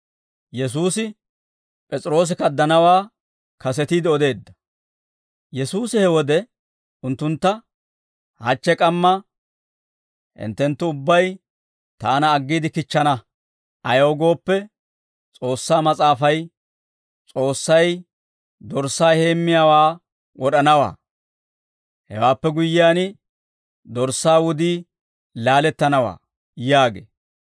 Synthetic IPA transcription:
jɛs̬uːsɪ | pʼɛt͡sʼɾo̞ːs̬ɪkɐd̪ːɐnɐwaː | kɐsɛt̪iːd̪ɪɔd̪e̞ːd̪ːɐ̥ | jɛsuːsɪhɛwɔd̪ɛ | ʊnt̪ːʊnt̪ːɐ | hɐt͡ʃːɛkʼɐmːɐ | hɪ̰nt̪ːɛnt̪ːʊʊbːɐj | t̪aːnɐːɡːiːd̪ɪkɪt͡ʃːɐnɐ | ʔɐjoːɡo̞ːpːɛ | t͡sʼo̞ːsːaːmɐt͡sʼaːfɐj | t͡sʼo̞ːsːɐj | d̪ɔɾsːaːhe̞ːmːɪjaːwaː | wʔɔɗɐnɐwa̰ː | hɛ̰waːpːɛɡʊjːɪːaːn | d̪ɔɾsːaːwʊd̪iː | laːlɛt̪ːɐnɐwa̰ː | jaːɡḛː

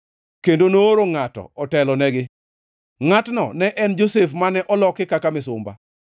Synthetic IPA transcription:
kendonoɾoŋatɔ̰ɔtɛlɔnɛɡɪ | ŋatnɔ̰nɛʔɛnd͡ʒosefmanɛʔɔlɔkɪkakamɪsʊmba̰

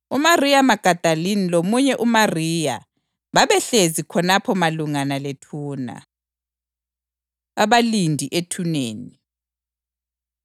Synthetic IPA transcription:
umarijamaɡ̥ʱad̥ʱalinilomuɲɛʔumariːja̰ | βaβɛɬezikʰɔnapʰɔmaluŋanaletʰuːna̰ | aβalindʱiʔetʰuneːni

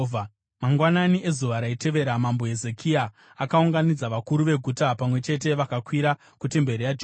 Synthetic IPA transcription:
maŋɡwananiʔe̞zuʋaɾaite̞ʋe̞ɾamambo̞ɦeze̞kʰiaː | kauŋɡanid͡zaʋakuɾuʋe̞ɡʱutapamwe̞t͡ʃe̞t̬e̞ʋakakwiɾa | kute̞mbe̞ɾijad͡ʒ

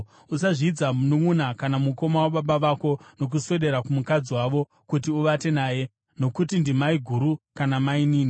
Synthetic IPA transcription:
usaʐiːd͡zamunomunakanamuko̞mawaɓaɓaʋako̞no̞k̬usweɗe̞ɾakumukad͡ziwaʋo̞ | kutiuʋate̞naːje̞ | no̞kutindimaiɡʱuɾukanamainiːni

